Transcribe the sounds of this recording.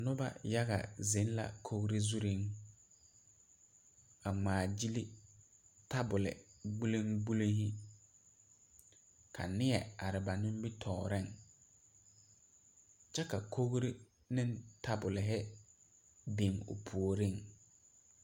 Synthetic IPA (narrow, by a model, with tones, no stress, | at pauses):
nʊ˦ba̰˦ja˦ɣa̰˨zɪ˨˦n˦la̰˨kʰo˦ɣɾi˦zu˦ɾi˦ŋ | a˨ŋ͡maː˨d͡ʒi˦li˦ | ta˦bʊ˨lɪ̰˨ɡ͡bu˦li˦ŋɡ͡bu˦li˦ŋhɪ˦ | kʰa̰˨nɪ˦ɛ˨a˨ɾɪ˨ba˨nʊ̃˦m˦bi˦tʰɔː˨ɾɪ˦˨ŋ | t͡ʃɛ˦ka˨kʰo˦ɣɾi˦ | nɪ̃˦ntʰa˦bʊ˨lɪ˨ɦɪ˦ | be˨ŋʊ̰˨pʰu˨o˨ɾɪ˦˨ŋ